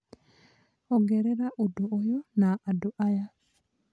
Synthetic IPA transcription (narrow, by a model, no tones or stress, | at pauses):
ɔɡɛɾɛɾaʔudoːjɔnaʔadoʔaja